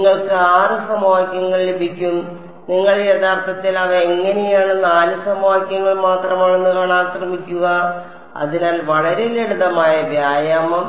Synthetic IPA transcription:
ŋːɐɭkɨaːrɨsɐmaːɐkʲːɐŋːɐɭlebʱikʲːum | niŋːɐɭet̪aːrt̪ɐt̪ːilɐʋɐeŋːɐnejaːɳɨnaːlɨsɐmaːikʲːɐŋːɐɭmaːt̪rɐmaːɳenːukaːɳaːkrɐmikʲːuɣɐ | ɐ̰ðinaːlʋɐɭɐɾeleɽuðɐmaːjɐʋjaːjɐm

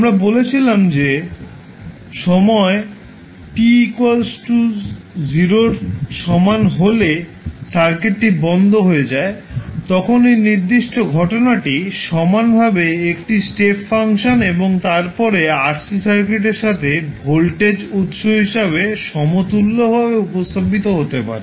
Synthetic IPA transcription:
amɾabolet͡ɕʰilamd͡ʑe | ʃɔmɔe | ʈikwalsʈu | d͡ʑiɾoɾʃɔmanɦole | saɾkeʈːibɔnd̪ʱoɦoed͡ʑaet̪ɔkʰonejniɾd̪iʃʈoɡʱɔʈonaʈiʃɔmanbʱabeek̚ʈisʈepfaŋʃoneboŋt̪aɾpɔɾeaɾsisaɾkeʈ̬eɾʃat̪ʰebʱolʈed͡ʑut̪ʃobɦiʃaβeʃɔmot̪ulːobʱabeupost̪obit̪oɦot̪epa̰ɾe

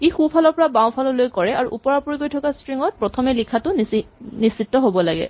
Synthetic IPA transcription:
exupʰalɔɹpɔɹabãw̃pʰalɔlojkɔɹɛaɹuʔupɔɹapuɹiɡojtʰɔkastɹiŋɔt̚pɹɔtʰɔmɛlikʰatʊnnisitːɔɦobɔlaɡɛ̰

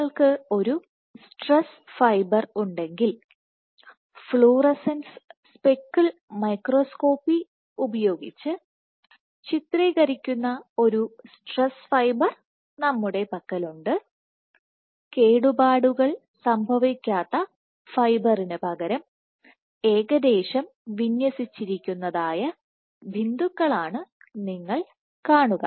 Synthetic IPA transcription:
ɐɭkɨo̞ɾu | sʈres | fɐjbɐruɳɖe̞ŋɡil | fɭuːrɐsensspekːɨlmɐjkro̞sko̞ːpːi | ubɐjo̞ːɡit͡ɕːɨ | t͡ɕit̪riːɣɐɾikʲːunːɐo̞ɾusʈresfɐjbɐr | nɐmːuɽe̞pɐkːɐluɳɖɨ | ke̞ːɽubaːɽuɣɐɭ | sɐmbʱɐʋikʲːaːt̪ːɐ | fɐjbɐrinɨpɐɣɐɾɐm | e̞ːɣɐd̪e̞ːɕɐm | ʋinjɐsit͡ɕːiɾikʲːunːɐðaːjɐ | bʱind̪ukːɐɭaːɳɨ | niŋːɐɭ | kaːɳuɣɐ̰

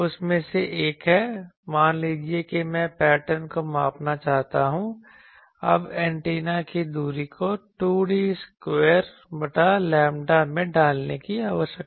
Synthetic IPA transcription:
ʊsmẽseʔeːkɦɛmaːnliːd͡ʒiekemɛ̃pɛːʈəɾnkomaːpnat͡ʃaːɦt̪aɦũ | ɐ̰bɛ̃ːɳʈeːnakid̪uːɾikoʈuːɽiskweːɾ | bɐʈalɛːmɖamẽɖaːlnekiaːʋəɾʃjəkː

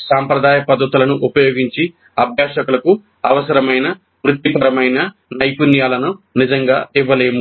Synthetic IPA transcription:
saːmpɾɐd̪aːjɐpɐd̪ʱːɐt̪ulɐnuʔupɐjoːɡiɲt͡ʃi | ɐbʱjaːʃɐkulɐku | ɐʋɐsɐɾɐmɐjnɐ | mɾut̪ipɐɾɐmɐjnɐ | nɐjpunjaːlɐnunid͡ʒɐŋɡa̰ːiʋːɐleːmu

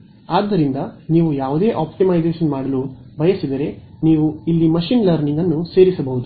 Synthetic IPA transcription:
aːd̪ːɐɾind̪ɐniːʋujaːʋud̪e̞ːʔaːpʈimɐjd͡ʒeːʃɐnmaːɽɐlubʱɐjɐsid̪ɐɾe̞niːʋuilːimɐʃiːnlɐɾniŋɡɐnːuse̞ːɾisɐbɐɦud̪u

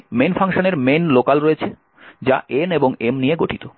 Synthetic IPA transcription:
menfʰaŋʃoneɾmenlokalɾoet͡ɕʰe | d͡ʑa̰ʔeneboŋemnijeɡoʈʰit̪o

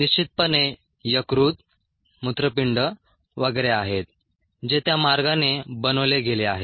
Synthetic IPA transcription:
niɕt͡ɕit̪̚pəne | jəkɾuːt̪̚ | mut̪ɾəpiɳɖə | ʋəɡəɾeaɦet̪̚ | d͡ʑet̪jamaɾɡanebənəʋleɡʱeleaɦe

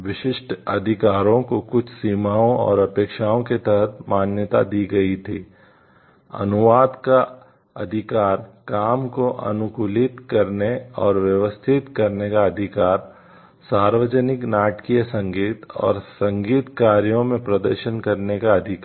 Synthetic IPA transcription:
ʋɪʃɪʃʈʰɐd̪ʱɪkaːɾõkokʊt͡ʃʰsiːmaːõɔ̰ːɾɐpeːkʃaːõket̪ɛɦət̪maːnjət̪a̰d̪iːɡɐit̪ʰiː | ɐ̰nʊʋaːd̪ka | ɐd̪ʱɪkaːɾkaːmkoʔɐ̰nʊkuːlɪt̪kɐɾneɔːɾʋjəʋəst̪ʰɪt̪kɐɾnekaɐd̪ʱɪkaːɾ | saːɾʋəd͡ʒənɪknaːʈkijəsɐ̃ŋɡiːt̪ɔ̰ːɾsɐ̃ŋɡiːt̪kaːɾjõmẽpɾɐd̪əɾʃənkɐɾnekaɐd̪ʱɪkː

